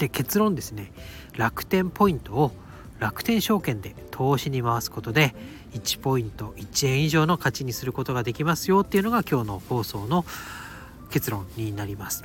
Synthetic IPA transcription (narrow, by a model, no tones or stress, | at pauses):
eke̞t͡sɨɾõ̞nd̪e̞sɨne̞ | ɾakɯ̟̥t̪ẽ̞mpo̞ĩnt̪o̞ː | ɾakɯ̟̥t̪ẽ̞ɰ̃ɕo̞ːkẽ̞nd̪e̞t̪ʰo̞ːɕiɲ̟imaβasɨ̥ko̞t̪o̞d̪e̞ | it͡ɕi̥po̞ĩnt̪o̞it͡ɕiẽ̞ɰ̃iʑo̞ːno̞kat͡ɕiɲ̟isɨɾɯ̟ko̞t̪o̞ɡad̪e̞kʲimasɨjo̞ːt̪ːeiɯ̟no̞ɡakʲo̞ːno̞ho̞ːso̞ːno̞ | ke̞t͡sɨɾõ̞ɲɲːinaɾʲimasɨ̥